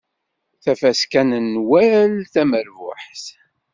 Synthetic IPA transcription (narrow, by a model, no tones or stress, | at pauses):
θæfæskænənːwælθæməɾvʊ̰ħθ